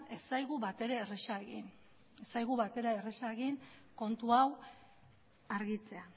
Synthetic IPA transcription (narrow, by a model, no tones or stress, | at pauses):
e̞sajɣuβat̪e̞ɾeːresaeɣin | esajɣuβat̪e̞ɾaeresaeɣinko̞nt̪uaw | aɾɣit͡se̞a